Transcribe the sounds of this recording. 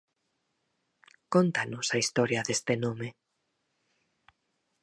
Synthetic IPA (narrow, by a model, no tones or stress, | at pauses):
kont̪anʊsaist̪ɔɾjɐðest̪ɪnome